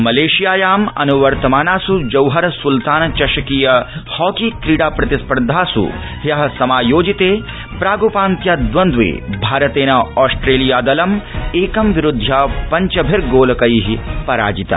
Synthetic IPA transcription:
mɐleːʃijaːjaːmɐ̰nuʋɐɾt̪ɐmaːnaːsud͡ʒɐwɦɐɾɐsult̪aːnɐt͡ʃɐʃɐkiːjɐhɔːkiːkɾiːɽaːpɾɐt̪ispɐɾd̪ʱaːsṵ | ɦjɐɦɐsɐmaːjoːd͡ʒit̪eː | pɾaːɡopãːnt̪jad̪ʋɐnd̪ʋḛːbʱaːɾɐt̪eːnɐɔːsʈɾeːlijaːd̪ɐlɐmeːkɐmʋiɾʊd̪ʱːjapɐɲt͡ʃɐbʱiɾɡoːlɐkɐjiɦipɐɾa̰ːd͡ʒit̪ɐ̰

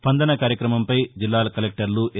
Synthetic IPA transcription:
spɐnd̪ɐnɐkaːɾjɐkɾɐmɐmpɐjd͡ʒilːaːlɐkɐlek̚ʈɐɾluʔ

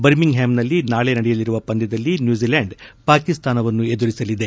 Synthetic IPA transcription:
bɐɾmiŋɡɦaːmnɐlːinaːɭenɐɽɛjɐliɾuʋɐpɐnd̪ɛd̪ɐlːinjuːziːlaːɳɖpaːkist̪ʰaːnɐʋɐnːued̪uɾisɐlid̪e̞

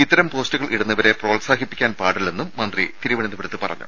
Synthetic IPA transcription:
it̪ːɐɾɐmpo̞ːstuɣɐɭʔiɽunːɐʋɐɾeproːɭsaːɦipːi̥kʲːaːnpaːɽilːe̞nːumːɐnd̪rit̪iɾuʋɐɳinːɐʋiɽt̪ːɨpɐrɐ̰ɲːṵ

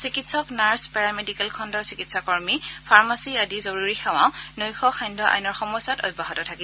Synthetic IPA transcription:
sikitsɔknaɹspɛɹamedikɛlkʰɔndɔɹsikitsakɔɹmipʰaɹmasiadizoɹuɹixʰaw̃ã̰ʊ̃nojxɔxʰajndʱɔʔa̰jnɔɹxɔmɔjsato̰jbːaɦɔtɔtʰaki

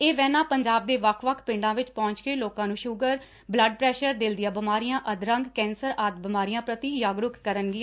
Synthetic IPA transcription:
eːʋɛːnãːpəɲd͡ʒaːb̚d̪eːʋəkʰʋəkʰpɪ̃ɳɖãːʋɪt͡ʃpɔ̃ːɲt͡ʃkeːloːkãːnũːʃʊɡəɾ | bləɖ̚pɾɛːʃəɾd̪ɪld̪ɪjãːbɪmaːɾijãːʔəd̪ɾə̃ŋɡkɛ̃ːnsəɾaːt̪bɪmaːɾijãːpɾət̪iːjaːɡɾʊkkəɾənɡɪãː

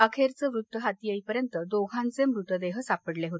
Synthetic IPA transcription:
əkʰeɾt͡səʋɾut̪ːəɦat̪ijəipəɾjənt̪əd̪oɡʱãnt͡semɾut̪əd̪eɦəsapəɽleɦot̪e

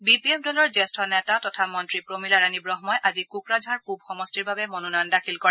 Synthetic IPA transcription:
bipiɛp̚dɔlɔɹzɛstʰɔnɛtatɔtʰamɔntɹipɹomilaɹanibɹɔɦmɔjʔazikukɹazʱaɹkub̚xɔmɔstiɹbabɛmononɔjɔndakʰilkɔɹɛ

